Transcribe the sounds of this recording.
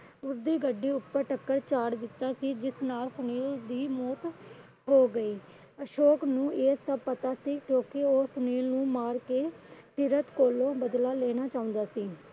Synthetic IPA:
ʊsd̪iːɡəɖːiːʊpːəɾʈəkːəɾt͡ʃaːɽd̪ɪt̪ːaːsiːd͡ʒɪsnaːlsʊniːld̪iːmɔːt̪ | ɦoːɡəiː | əʃoːknũːeːsəb̚pət̪aːsiːkjõːkeoːsʊniːlnũːmaːɾkeːsiːɾət̪koːlõːbəd̪laːleːnaːt͡ʃaːʊ̃nd̪aːsiː

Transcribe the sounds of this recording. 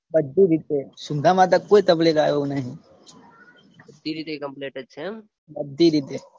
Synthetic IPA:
bɐd̪ːiɾit̪esʊ̃nd̪ʱamãt̪̬ɐkoːit̪ɐblekaːjonɐɦĩ | bɐd̪ːiɾit̪ekɐ̃mpleːʈed̪̚t͡ʃʰe | bɐd̪ʱːiɾit̪e

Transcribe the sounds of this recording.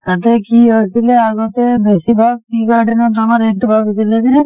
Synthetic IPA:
t̪at̪ekiɦojt̪ileaɡot̪ebesibʱaɡ̚ʈiɡaɖinɔt̪amaɾeʈbʱabit̪ilek̪ine

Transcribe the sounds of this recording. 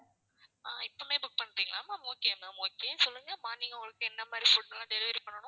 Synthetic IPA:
a̰ːɪpːɐmeːbʊk̚pɐɳːɾiːŋɡɐlãːmaːmoːkeːɐmaːmoːkeːnsɔlːɯŋɡɐmaːniːŋɡɐʊŋɡɐɭɐkːɯɛnːɐmaːd̪ɾifʊʈnɐlːãːt̪ɛɾɪʋɪɾpːɐɳːɐɳʊ̃

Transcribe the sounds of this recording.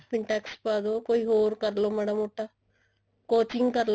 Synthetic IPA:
fiɳʈakspad̪okoiɦoːɾkɐɾlomɐɽɐmuʈa | kot͡ʃiŋɡkɐɾl

